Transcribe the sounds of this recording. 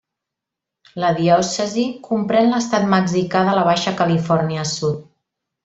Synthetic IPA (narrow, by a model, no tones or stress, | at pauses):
ləðiɔsəzikumpɾɛnləst̪at̪̚məɡzikaðələβ̞aʃəkəlifɔrniəsut̪̚